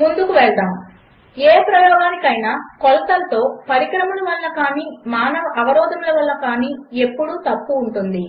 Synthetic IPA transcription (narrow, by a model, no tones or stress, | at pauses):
mund̪ukuʋɛɭd̪aːm | eːpɾɐjɔːɡaːnikɐjnakɔlɐt̪ɐlt̪o̞ːpɐɾikɾɐmɐnɐʋɐlːɐkaːniːmaːnɐʋɐʔɐʋɐɾɔːd̪ʱɐnlɐʋɐlːɐkaːniːe̞pːuɽut̪ɐpːuːɳʈund̪i